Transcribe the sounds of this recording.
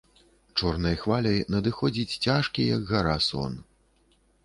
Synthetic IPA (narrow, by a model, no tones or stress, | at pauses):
t͡ʂɔrnɐjxvalʲɐjnɐd̪ɨxɔd͡zʲit͡sʲt͡sʲaʂkʲijɐɡɣaɾasɔ̰n